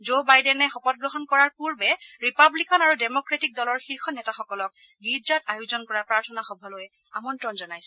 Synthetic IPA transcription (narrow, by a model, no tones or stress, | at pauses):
zobajdɛnɛxɔpɔt̚ɡɹɔɦɔnkɔɹaɹpuɹbɛɹipablikanaɹudɛmɔkɹetik̚dɔlɔɹxiɹxɔnɛtaxɔkɔlɔk̚ | ɡidatajuzɔnkɔɹapɹaɹtʰɔnaxɔbʱɔloj | amɔntɹɔnzɔnajsɛ̥